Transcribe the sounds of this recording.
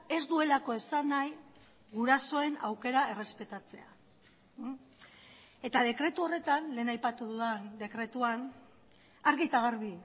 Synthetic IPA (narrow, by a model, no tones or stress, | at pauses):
e̞zd̪ue̞lako̞e̞sanaj | ɣuɾaso̞e̞nawke̞ɾae̞re̞spe̞t̪at͡se̞̰a̰ | e̞t̪að̞e̞kɾe̞t̪uo̞re̞t̪anle̞ːnajpat̪uðuðand̪e̞kɾe̞t̪uan | aɾɣit̪aɣ̞aɾβi